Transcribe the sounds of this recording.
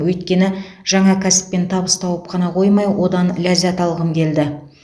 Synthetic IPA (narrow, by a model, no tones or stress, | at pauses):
wɵjt̪kʲe̞nɪ | ʒ̥ɑɴɑkʲʰæsɪ̥pːe̞nt̪ʰɑbəst̪ʰɑwəpqʰɑnɑqʰo̞jmɑjwo̞d̪ɑnlʲazʲat̪ʰɑlˠʁəmkʲʰe̞ld̪ɪ